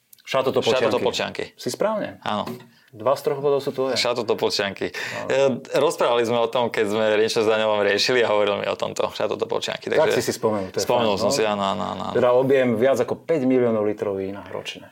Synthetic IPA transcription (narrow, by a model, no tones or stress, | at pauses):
ʃat̪ɔt̪ɔpʃat̪ɔt̪ɔpɔlt͡ʃɪa̰ŋkḭsispɾaːʊɲɛ̰a̰nɔ | d̪ʋast̪ɾɔɣbɔd̪ɔʊsuːt̪ʋɔjɛʃat̪ɔt̪ɔpɔlt͡ʃɪaŋki | ɾɔspɾaːʋalizmɛɔt̪ɔmkɛzmɛɾiɲt͡ʃɔzd̪aɲɔʋamɾɪɛʃiliaɦɔʋɔɾilmḭɔ̰t̪ɔ̰mt̪ɔ̰ʃa̰t̪ɔt̪ɔpɔ̰lt͡ʃɪa̰ŋkit̪a̰ɡʒɛsisispɔmɛnut̪sspɔmɛnulˠsɔmsiaːnɔanɔa̰nɔ̰a̰nɛd̪aɔbɪɛmʋɪad͡zakɔpɛɟmiliɔnɔʊlit̪ɾɔʊiːnaɾɔ̰t͡ʃɲɛ